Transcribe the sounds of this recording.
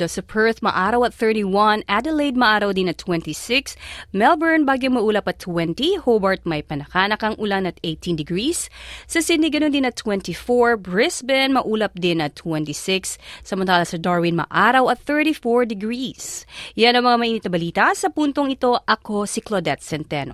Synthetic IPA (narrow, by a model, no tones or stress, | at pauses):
d̪osɐpʰɛɹt̪mɐ̰ʔaːɾɐwɐt̪̚θɛ˞t̪iwɐnʔad̪ɛlejd̪̚mɐʔaːɾɐwd̪ɪnɐt̪ʰwɛ̃nt̪isɪksmɛlbɛɹnbaːɡjɪŋmɐʔuːlɐpɐt̪ʰːwɛnt̪ihobɐɹt̪̚mɐjpɐnɐkaːnɐkɐŋʔʊlanɐt̪ejt̪ind̪ɪɡɹisːɐsɪd̪nːiɡɐnond̪ɪnɐt̪ʰwɛnt̪ifoɹbɹɪsbɛnmɐʔuːlɐp̚d̪ɪnɐt̪ʰwɛnt̪isɪksːɐmɐnt̪aːlɐsɐd̪aɹwɪnmɐ̰ʔaɾɐwɐt̪̚θɛɹt̪ifoɹd̪ɪɡɹisjanɐŋmɐŋamɐʔiːnɪt̪̚ɐbɐliːt̪ɐsɐpunt̪oŋɪt̪o̞ʔɐkosiklod̪ɛt̪̚sɛnt̪ɛno̰